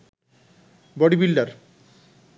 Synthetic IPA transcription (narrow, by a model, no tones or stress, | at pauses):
bɔɽibilɖaɾ